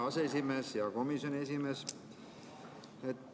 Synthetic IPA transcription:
ɑseesime̞ːsjɑko̞misjo̞nʲies̬ime̞s | et̪ː

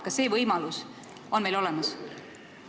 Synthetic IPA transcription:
kɑse̞ːvɤjmɑlus | o̞nme̞jlo̞lɛmɑs

